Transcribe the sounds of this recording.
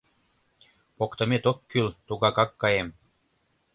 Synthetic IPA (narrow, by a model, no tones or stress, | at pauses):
pokt̪ɤ̆met̪okːylt̪uɣɑkɑkːɑjem